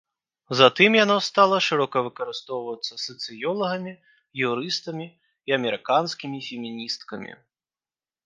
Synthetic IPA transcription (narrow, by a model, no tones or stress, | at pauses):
zat̪ɨmjanɔst̪alˠɐʂɨɾɔkɐvɨkɐɾɨst̪ɔwvɐt̪sːɐsɐt̪sɨjɔlˠɐɣɐmʲi | juɾɨst̪ɐmʲiː | ɐmʲɛɾɨkanskʲimʲifʲɛmʲinʲist̪kɐmʲḭ